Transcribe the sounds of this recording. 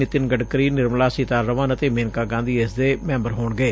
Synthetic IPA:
ɪt̪ɪnɡəɖkəɾiːnɪɾmlaːsiːt̪aːɾɾəʋəːnət̪eːmeːnkaːɡãːnd̪iːesd̪eːmɛ̃ːmbəɾɦoːɳɡeː

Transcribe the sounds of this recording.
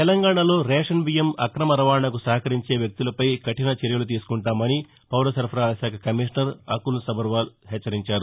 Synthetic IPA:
t̪ɛlɐŋɡaːɳɐlo̞ːɾɛːʂɐnʋijɐmɐ̰kɾɐmɐɾɐʋaːɳɐk̬usɐɦɐkɐɾiɲt͡ʃe̞ːʋjɐk̚t̪ulɐpɐjkɐʈinɐt͡ʃeɾjɐlut̪̬iːsu̥kuɳʈaːmɐni | pɐwɾɐsɐɾpʰɾaːɾɐsaːkʰɐkɐmiːʂnɐɾɐ̰kulsɐbɐɾʋaːlɦɛːt͡ʃːɐɾiɲt͡ʃaːɾu

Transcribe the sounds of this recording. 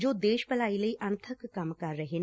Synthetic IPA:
d͡ʒoːd̪eːʃpɐlaːilɐiʔɐnt̪ʰəkːɐmkɐɾːɐɦe

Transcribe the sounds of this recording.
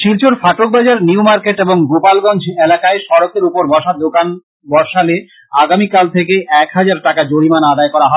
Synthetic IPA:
ʃilt͡ɕoɾfaʈok̚bad͡ʑaɾniumaɾkeʈeboŋɡopalɡɔnd͡ʑʱelakaeʃɔɾok̚eɾupoɾbɔʃaɾd̪okan | bɔɾʃale | aɡamikalt̪ʰekeʔɛkɦad͡ʑaɾʈakad͡ʑoɽimanad̪aekɔɾaɦɔ

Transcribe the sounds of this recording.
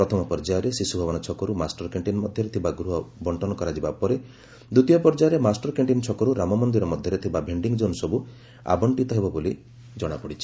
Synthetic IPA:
pɾɔt̪ʰɔmɔpɔɾd͡ʒajɔɾesisubʱɔbɔnɔt͡ʃʰɔkɔɾumasʈɔɾkeɳʈinmɔd̪ʱjɔɾet̪ʰibaɡɾuɦɔbɔɳʈɔnɔkɔɾad͡ʒibapɔɾe | d̪ut̪ijɔpɔɾd͡ʒajɾemasʈɔɾkeɳʈint͡ʃʰɔkɔɾuɾamɔmɔnd̪iɾɔmɔd̪ʱjɔɾet̪ʰibabʱeɳɖiŋɡd͡ʒonsɔbu | a̰bɔɳʈit̪ɔɦebɔboli | d͡ʒɔɽ̃apɔɽit͡ʃʰi̥

